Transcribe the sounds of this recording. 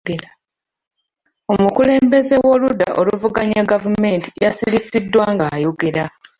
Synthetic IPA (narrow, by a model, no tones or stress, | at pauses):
o̞mukule̞ːmbe̞ze̞wo̞luda̰ʔo̞luvuɡaɲaɡavume̞ːntijasilisidːwaŋɡaːjoɡiɾa